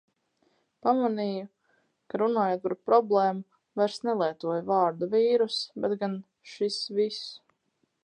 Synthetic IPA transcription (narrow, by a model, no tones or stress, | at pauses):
pamaniːju | kaɾunaːjoːt̪̚paɾpɾɔblˠɛːmu | vajɾsnɛlˠiɛt̪uɔjvaːɾd̪uviːɾusbɛt̪ɡan | ʃisvis